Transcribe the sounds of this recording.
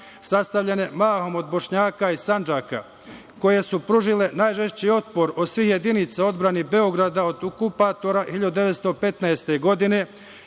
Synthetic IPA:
sast̪avʎene̞maːɦo̞mo̞d̪bo̞ʃɲaːkaisand͡ʒaka̰ | ko̞je̞supɾuʒile̞naːjʒeʃt͡ɕio̞t̪po̞ɾosʋihje̞d̪init̪sao̞d̪bɾanibe̞o̞ɡɾad̪ao̞d̪okupat̪o̞ɾahiʎad̪ud̪eʋet̪st̪o̞pe̞t̪naest̪e̞ɡo̞d̪ine̞

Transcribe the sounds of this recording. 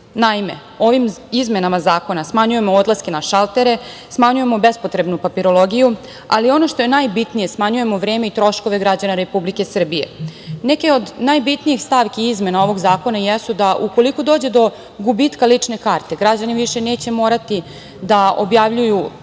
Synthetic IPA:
naime̞̰ | o̞ʋimizme̞namazaːko̞nasmaɲuje̞mood̪laske̞naʃalˠt̪e̞ɾe̞ | smaɲuje̞mo̞bespo̞t̪ɾe̞bnupapiɾo̞lo̞ɡiju | a̰lio̞no̞ʃt̪o̞je̞najbit̪nije̞smaɲuje̞mo̞ʋɾeːme̞it̪ɾo̞ʃko̞ʋe̞ɡɾad͡ʑanaɾe̞publike̞sr̩bije̞̰neke̞o̞d̪najbit̪nijixst̪aʋkiizme̞nao̞ʋo̞ɡzaːko̞najɛsud̪aʔuko̞liko̞d̪oːd͡ʑe̞d̪o̞ | ɡubit̪kalit͡ʂne̞kaːɾt̪e̞ɡɾad͡ʑaniʋiʃe̞neːt͡ɕe̞mo̞ːɾat̪i | d̪ao̞̰bjaʋʎuju

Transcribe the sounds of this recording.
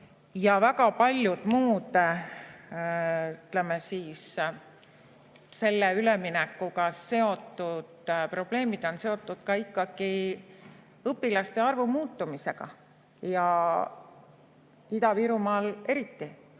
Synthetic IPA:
jɑvæɡɑpɑlʲjud̪̥muːd̪̥ | yt̪lemesiːs | se̞lːeyle̞minekːuɡɑse̞o̞t̪ːˑud̪̥pro̞b̥le̞ːmid̪̥o̞nse̞o̞t̪ːˑud̪̥kɑikːɑɡ̥i | ɤpːˑilɑst̪e̞ɑrvumuːt̪ːumise̞ɡ̥ɑ̰ | jɑ | id̪ɑviːɾumɑːle̞ɾit̪ːi

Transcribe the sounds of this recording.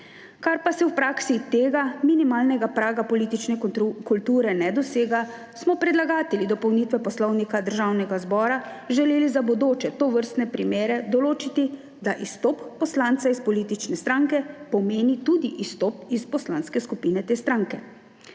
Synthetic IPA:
kaɾpasɛwpɾaːksit̪eːɡaminimaːlnɛɡapɾaːɡapɔliːt̪it͡ʃnɛkult̪uːɾɛnɛd̪ɔseːɡa | smɔpɾɛd̪laɡaːt̪ɛlid̪ɔpɔwniːt̪ʋɛpɔslɔwnikad̪əɾʒawnɛɡazbɔːɾa | ʒɛleːlizabɔd̪oːt͡ʃɛt̪oʋəɾst̪nɛpɾimeːɾɛd̪ɔloːt͡ʃit̪i | d̪aʔist̪ɔːpːɔslant̪saispɔliːt̪it͡ʃnɛst̪ɾaŋkɛpɔmeːnit̪uːd̪iʔist̪ɔpispɔslanskɛskupiːnɛt̪eːst̪ɾaŋkɛ

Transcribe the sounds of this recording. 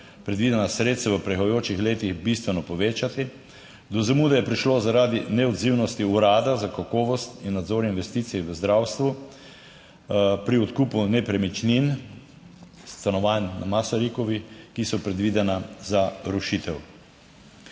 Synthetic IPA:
pɾɛd̪ʋid̪ɛnasɾeːt̪saʋəpɾɛxɔjoːt͡ʃixleːt̪ixbist̪ʋɛnɔpɔʋeːt͡ʃat̪i | d̪ɔzɛmud̪ajɛpɾiʃlozaɾad̪inɛɔd̪ziwnɔst̪iuɾaːd̪azakakɔːʋɔst̪inːad̪zoɾinʋɛst̪iːt̪siɛʋəzd̪ɾawst̪ʋu | pɾiɔt̪kuːpunɛpɾɛmit͡ʃnin | st̪anɔʋanːa̰masaɾikɔʋikisɔpɾɛd̪ʋid̪ɛnazaɾuʃit̪ɛw

